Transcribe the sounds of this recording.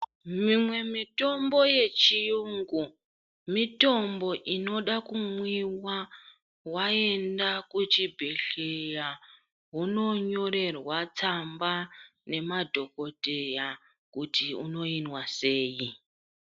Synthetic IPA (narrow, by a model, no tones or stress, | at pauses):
mimwe̞mito̞mbo̞je̞t͡ʃijuŋɡu | mito̞mbo̞ʔino̞ɗakumwiwa | wae̞ndakut͡ʃibʱe̞ɬeja | ɦuno̞ɲo̞ɾe̞rwat͡sambane̞madʱo̞ko̞te̞ja | kutiuno̞inwase̞ːji